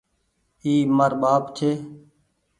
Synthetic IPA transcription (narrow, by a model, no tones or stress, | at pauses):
iːməɾɓaːpt͡ʃʰeː